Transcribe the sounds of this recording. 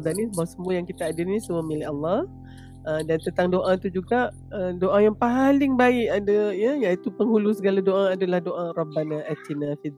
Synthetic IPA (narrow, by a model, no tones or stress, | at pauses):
d̪anibaasəmuajaŋkit̪aːdənisəməmilaalːɑh | ədant̪ənt̪aŋdoʔat̪ud͡ʒuɡaʔ | ədoʔajaŋpaɦalɪŋbaɪʔadajəjait̪upəŋɦulusəɡaladoʔaadalahdoʔarɑbanaʔat̪inafid̪